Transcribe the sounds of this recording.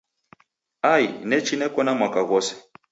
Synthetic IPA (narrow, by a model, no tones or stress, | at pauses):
ainɛt͡ʃinɛkɔnamwakaɣɔsɛ̥